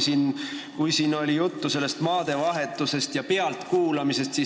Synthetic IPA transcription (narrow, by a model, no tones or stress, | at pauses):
siːnkujsiːno̞lʲijut̪ːuse̞lːe̞st̪mɑːd̪̥e̞vɑɦe̞t̪ːˑuse̞st̪jɑpe̞ɑlt̪kuːlɑmise̞st̪si